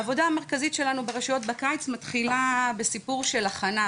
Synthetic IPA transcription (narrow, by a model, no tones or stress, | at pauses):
vo̞daːmeʁkazitʃe̞lanubeʁeʃujo̞tbakajt͡smatχilabe̞sipuʁʃe̞laχana